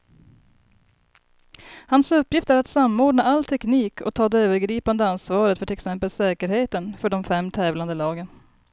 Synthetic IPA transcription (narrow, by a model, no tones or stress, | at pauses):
hansɵpːjɪft̪æɾat̪samːoːɖɳaalt̪ʰɛkniːkʰɔkt̪ʰɑːd̪ɛøːvəɾɡɾiːpand̪əansvɑːɾət̪fœʈʰɪlɛksɛmpəlsɛːkəɾheːt̪ənfœɖɔmfɛmːt̪ʰɛːvland̪əlɑːɡən